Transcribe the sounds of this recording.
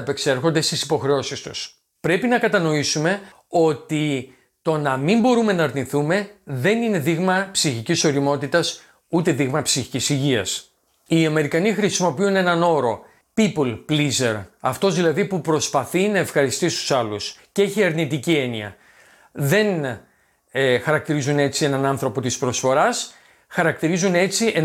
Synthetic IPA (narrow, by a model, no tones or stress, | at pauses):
pe̞kse̞ɾxo̞nd̪e̞st̪isi̥po̞xɾe̞o̞sist̪u̥̰s | pɾe̞pinɐkɐt̪ɐno̞isume̞ | o̞t̪i | t̪o̞nɐmimbo̞ɾume̞nɐːɾniθume̞ðe̞nine̞ðiɣmɐpsiçiciso̞ɾimo̞t̪it̪ɐs | ut̪e̞ðiɣmɐpsiçi̥cisiʝiɐ̰s | iɐme̞ɾikɐnixɾisimo̞piune̞nɐno̞ɾo̞ | pipolplize̞̰ɾɐft̪o̞zðilɐðipupɾo̞spɐθinɐe̞fxɐɾist̪ist̪u̥sɐlusceeçiɐɾnit̪icie̞niɐ̰ | ðe̞n | xɐɾɐk̚t̪iɾizune̞t͡sie̞nɐnɐnθɾo̞po̞t̪ispɾo̞sfo̞ɾɐs | xɐɾɐk̚t̪iɾizune̞t͡siʔe